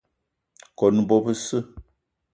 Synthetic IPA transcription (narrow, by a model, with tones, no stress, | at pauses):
kɔ˨n˨˦bɔ˦pɨ˦sɨ˦